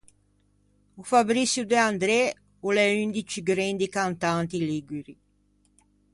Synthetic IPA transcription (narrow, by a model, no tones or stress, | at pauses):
ufabɾisjud̪eand̪ɾɛ | uleynd̪it͡ʃiɡɾɛnd̪ikant̪ant̪iliɡiɾi